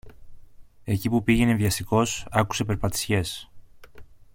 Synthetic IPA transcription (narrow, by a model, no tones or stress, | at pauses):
e̞cipupiʝe̞neðʝɐst̪iko̞sɐku̥se̞pe̞ɾpɐt̪i̥sçe̞s